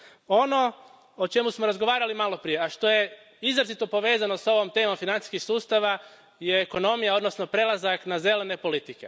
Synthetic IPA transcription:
o̞no̞ | ot͡ʃe̞musmoɾazɡo̞ʋaːɾalimalo̞pɾije̞aʃt̪o̞je̞ | izɾazit̪no̞po̞ʋe̞ːzano̞so̞ʋo̞mt̪e̞ːmo̞mfinani̥skixsuːst̪aʋa | je̞ːko̞no̞mijao̞d̪no̞sno̞pɾe̞lˠazaknaze̞le̞ne̞po̞lit̪ike̞

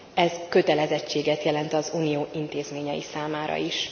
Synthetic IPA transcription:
ɛzkø̞t̪ɛlɛzɛt͡ʃːeːɡɛt̪jɛlɛnt̪ɒzuːnijoːʔint̪eːzmeːɲɛjisaːmaːɾɒ̰iʃ

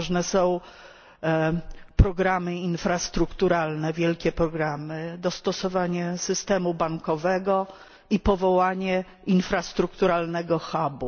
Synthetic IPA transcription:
ʐnɛsɔ̃w̃ | pɾɔɡɾamɘinfɾast̪ɾukt̪uɾalnɛvʲjɛlkʲɛpɾɔɡɾamɘd̪ɔst̪ɔsɔvaɲɛsɘst̪ɛmubaŋkɔvɛɡɔ | ipɔvɔwaɲɛ | infɾast̪ɾukt̪uɾalnɛɡɔxabu

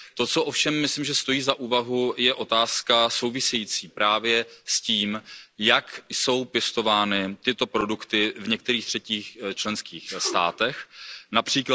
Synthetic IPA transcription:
t̪o̞t͡soʔofʃɛmːɪslimʒɛst̪o̞jiːzaʔuːvaɦujɛʔo̞t̪aːskaso̞wvɪsɛjiːt͡siːpɾaːvjɛsciːmjakso̞wpjɛst̪o̞vaːnɪt̪ɪt̪o̞pɾo̞dukt̪ɪvɲɛk̚t̪ɛɾiːxt̪r̥ɛciːxt͡ʃlɛnskiːxst̪a̰ːt̪ɛxnapr̝̥iːkla

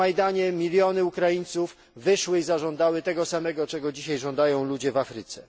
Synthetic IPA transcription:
ajd̪aɲɛmʲilʲjɔnɘukɾajiɲt̪suf | vɘʂwɘizaʐɔnd̪awɘt̪ɛɡɔsamɛɡɔt͡ʂɛɡɔd͡ʑiɕajʐɔ̃nd̪ajɔ̃w̃lud͡ʑɛvafɾɘt̪sɛ̰

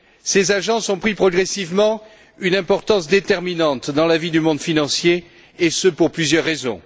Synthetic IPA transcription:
sezaʒɑ̃sɔ̃pχipχɔɡʁesivmɑ̃ | ynɛ̃pɔʁt̪ɑ̃sd̪et̪ɛʁminɑ̃t̪d̪ɑ̃lavid̪ymɔ̃d̪finɑ̃sje | esəpuʁplyzjœʁːezɔ̰̃

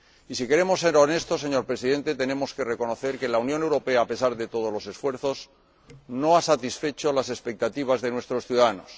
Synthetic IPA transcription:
isike̞ɾe̞mo̞sːe̞ɾo̞ne̞st̪o̞se̞ɲo̞ɾpɾesiðe̞nt̪e̞t̪e̞nẽ̞mo̞ske̞re̞ko̞no̞θe̞ɾke̞launjone̞wɾo̞pe̞aːpe̞saɾðe̞t̪o̞ð̞o̞zlo̞se̞sfwe̞ɾθo̞s | no̞asat̪isfe̞t͡ʃo̞lase̞spe̞k̚t̪at̪iβ̞azðe̞nwe̞st̪ɾo̞sθjuðaðanos

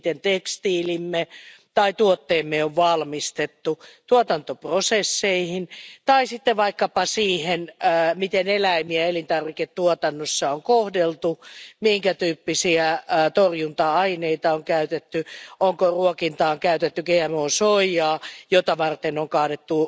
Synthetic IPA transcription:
t̪ent̪ekst̪iːlimːe | t̪ɑit̪uot̪ːeːmːeoʋʋɑlmist̪et̪ːut̪uot̪ɑnt̪oprosesːeihint̪ɑisit̪ːeʋɑikːɑpɑsiːhenːmit̪enelæimiæelint̪ɑrʋiket̪t̪uot̪ɑnːosːɑoŋkohdelt̪umihiŋkæt̪yːpːisiæt̪orjunt̪ɑɑineit̪ɑoŋkæyt̪et̪ːyoŋkoruokint̪ɑːoŋkæyt̪et̪ːyɡeːæmoːsoijɑːjot̪ɑʋɑrt̪enoŋkɑːnet̪ːu

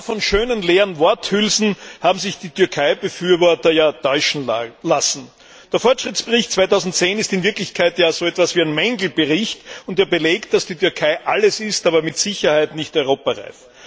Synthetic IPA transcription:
fɔnʃøːnənleːʁənvɔɐthʏlzn̩haːbm̩zɪçd̥iːtʰʏɐkʰaɪbəfyːɐvɔɐtɐjaːtɔʏʃn̩lasn̩ | d̥eːɐfɔɐtʃʁ̥ɪtt͡sb̥əʁɪçt̚t͡sv̥aɪtɑʊzn̩t̚t͡seːnɪstɪnvɪɐklɪçkʰaɪtjaːzoːɛtv̥asviːæɪnmɛŋɡl̩b̥əʁɪçtʊndeːɐbəleːkt̚d̥asd̥iːtʰʏɐkʰaɪʔaləsɪstaːbɐmɪtz̥ɪçɐhaɪtnɪçtɔʏʁoːpɐʁa̰ɪf

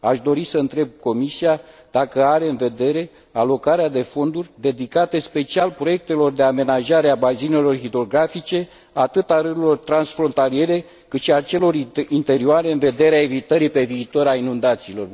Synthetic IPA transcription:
aʃd̪o̞ɾisəɨnt̪ɾe̞b̚ko̞misia | d̪̥akəaɾe̞ɨnve̞d̪e̞ɾe̞ | alo̞kaɾead̪e̞fo̞nd̪urʲd̪e̞d̪ikat̪e̞spe̞t͡ʃialpɾo̞je̞k̚t̪e̞lo̞rd̪e̞ame̞naʒaɾeabazine̞lo̞rxid̪ɾo̞ɡɾafit͡ʃe̞ | at̪ɨt̪aɾɨɾilo̞rt̪ɾansfɾo̞nt̪alie̞ɾe̞ | kɨt̪ʃiat͡ʃe̞lo̞rint̪e̞ɾioaɾe̞ɨnve̞d̪e̞ɾeae̞vit̪əɾipe̞viːt̪o̞ɾainund̪at̪siːlo̞r

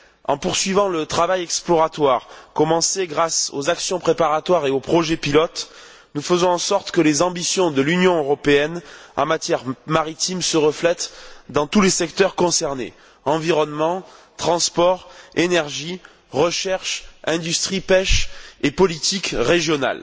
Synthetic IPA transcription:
ɑ̃puʁsɥivɑ̃lət̪χavajɛksplɔʁat̪waʁkɔmɑ̃seɡʁaso̰zaksjɔ̃pχepaʁat̪waʁeopχɔʒepilɔt̪ | nufəzɔ̃ɑ̃sɔʁt̪kəlezɑ̃bisjɔ̃d̪əlynjɔ̃øʁɔpeɛnɑ̰̃mat̪jɛʁmaʁit̪imsəʁəflɛt̪d̪ɑ̃t̪ulesɛkt̪œʁkɔ̃sɛʁnḛ | ɑ̃viʁɔnmɑ̃t̪χɑ̃spɔʁenɛʁʒi | ʁəʃɛʁʃɛ̃d̪yst̪χipɛʃepɔlit̪ikʁeʒjɔna̰l

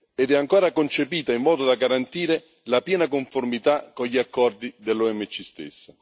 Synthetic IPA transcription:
ed̪ɛaŋkoːɾakont͡ʃepiːt̪aimːɔːd̪od̪aɡaɾant̪iːɾe | lapjɛːnakoɱformit̪akːoʎiakːɔrd̪id̪elːoɛmːet͡ʃːist̪ḛsːa

